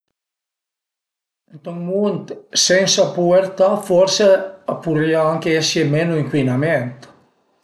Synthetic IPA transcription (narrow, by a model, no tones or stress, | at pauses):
ent̪ɔŋmunt̪sensapueɾt̪afɔɾseapuriaaŋkeɛsemenuiŋkwinament̪